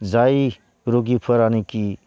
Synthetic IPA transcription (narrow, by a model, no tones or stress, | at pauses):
d͡zai | ɾoɡipʰəɾaniki